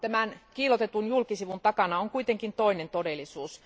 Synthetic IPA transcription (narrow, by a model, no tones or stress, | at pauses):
t̪æmænkiːlot̪et̪unjulkisiʋunt̪ɑkɑnɑoŋkuit̪eŋkint̪oinent̪odelːˑisuːs